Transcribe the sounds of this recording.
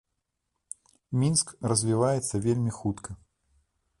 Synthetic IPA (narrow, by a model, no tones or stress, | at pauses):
mʲinskrɐzʲvʲivajɛt̪sːɐvʲelʲmʲixut̪kʰɐ